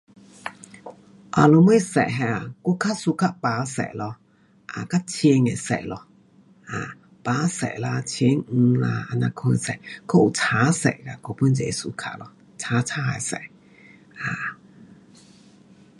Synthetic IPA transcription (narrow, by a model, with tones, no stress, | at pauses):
ʔa˨lo˧mə˦˥˨sɛ̰˨ɦɛ̃˧˨a˨ko˧˦kʰa˦˥su˧kʰa˧˨ʔpa˨˧˦sɛ̰˨lɔ˧ | ʔa˨ka˦˥t͡ɕʰe˧ŋɛ˨sɛ̰˨lɔ˧ | ʔa˨ | paː˨˧˦sɛ̰˨la˧t͡ɕʰi˧˦ŋ̩˧la˧a˧nã˧kʰo˧˨sɛ̰˧˨kʰɔ˦˨u˨t͡sʰaː˨˦sɛ̰˧˨ʔka˧ko˧˦pu˦˥˨nt͡sɛ̰˧˨su˧kʰa˧˨ʔlɔ˧ | t͡sʰa˨˦t͡sʰa˧˦ɛ̰˨sɛ̰˧˨ | ʔa˨